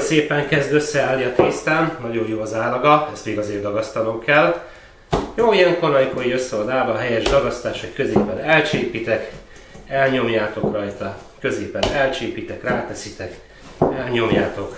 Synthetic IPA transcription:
seːpɛŋkɛzd̪øsːɛaːlːiɒt̪iːst̪annɒɟo̞jjoːɒzaːlɒɡɒɛst̪meːiɡɒzeːrd̪ɒɡɒst̪ɒlo̞mkɛl | joːijɛŋkonɒjikoɾiøsːɛod̪aːlvɒːɦɛjɛʒd̪ɒɡɒst̪aːʃhockøzeːpɛnɛlt͡ʃeːpit̪ɛk | ɛlɲo̞mjaːt̪o̞krɒjt̪ɒ | kø̞zeːpɛnɛlt͡ʃeːpit̪ɛkraːt̪ɛsit̪ɛk | ɛlɲo̞mjaːt̪o̞k

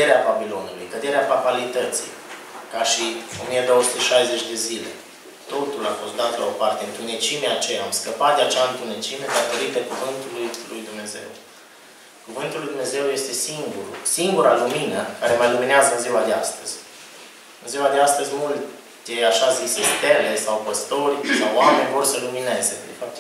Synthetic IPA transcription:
eɾeababilo̞nulṵjkəd̪e̞ɾeapapalit̪ət̪sḭj | kaʃio̞̰mije̞d̪o̞wəsu̥t̪eʃajzet͡ʃʲd̪e̞zile̞̰ | t̪o̞t̪ulafo̞st̪d̪at̪lao̞part̪e̞ɨnt̪unet͡ʃimeat͡ʃejaːmskəpat̪̚d̪eat͡ʃaɨnt̪une̞t͡ʃime̞d̪at̪o̞ɾit̪əkuvɨnt̪ulujlujd̪umne̞ze̞̰w | kuvɨnt̪ulːujd̪umneze̞wje̞st̪e̞siŋɡuɾusiŋɡuɾaluminəkaɾe̞majlumineazəɨnziwad̪ea̰st̪əz̥ʲ | ɨnziwad̪east̪əzʲmult̪ | d̪eaʃaziset̪ele̞sawpəst̪o̞rʲsawame̞nʲvo̞rsəlumine̞zḛd̪efap̚t̪

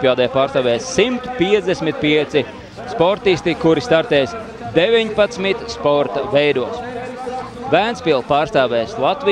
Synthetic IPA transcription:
pjaːd̪ɛjpaːst̪aːvɛːjsːimt̪piɛzd̪esmit̪̚piɛt̪si | spɔɾt̪isʲt̪ikuɾist̪aɾt̪ɛːs | d̪evʲiɲpat̪smit̪spɔɾt̪avɛjd̪uɔs | væːnsʲpilˠpaːɾst̪aːvɛːslˠat̪vi

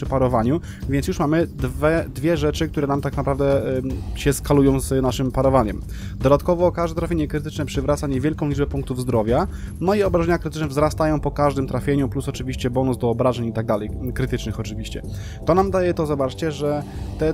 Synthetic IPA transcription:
ʂɘpaɾɔvaɲu | vʲjɛnsjuʂmamɘd̪vɛd̪vʲjɛʐɛt͡ʂɘkt̪uɾɛnamt̪aknapɾavd̪ɛɕɛskalujɔ̃w̃znaʂɘmpaɾɔvaɲɛm | d̪ɔd̪at̪kɔvɔkaʐd̪ɛt̪ɾafʲjeɲɛkɾɘt̪ɘt͡ʂnɛpʂɘvɾat̪saɲɛvʲjɛlkɔ̃lʲid͡ʐbɛpũŋk̚t̪uvzd̪ɾɔvʲjanɔiɔbɾaʐɛɲakɾɘt̪ɘ̥t͡ʂnɛvzɾast̪ajɔ̃w̃pɔkaʐd̪ɘmt̪ɾafʲjeɲuplusɔt͡ʂɘvʲiɕt͡ɕɛbɔnuzd̪ɔːbɾaʐɛɲit̪aɡ̚d̪alɛjkɾɘt̪ɘt͡ʂnɘxɔt͡ʂɘvʲiɕt͡ɕɛ | t̪ɔnamd̪ajɛt̪ɔzɔbat͡ʂt͡ɕɛʐɛt̪ɛ

